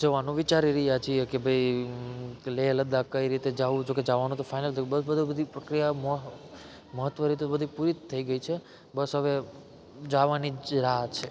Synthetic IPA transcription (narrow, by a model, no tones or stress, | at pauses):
d͡ʒəʋanũʋit͡ʃaɾiɾəɦjat͡ʃʰiekebʱəi | leləd̪akəiɾit̪ed͡ʒaʋũd͡ʒoked͡ʒaʋanũt̪ofainəlt̪ʰbəbəd̪ʱubəd̪ʱipɾəkɾijam | məɦət̪ʋəɾit̪̬obəd̪ʱipuɾit̪ʰːəiɡəit͡ʃʰe | bəsɦəʋe | d͡ʒaʋaniɾaɦ̪t͡ʃʰe